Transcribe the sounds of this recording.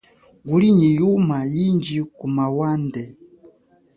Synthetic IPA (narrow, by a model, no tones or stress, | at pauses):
ɡuliɲijumajiɲd͡ʒikumawandɛ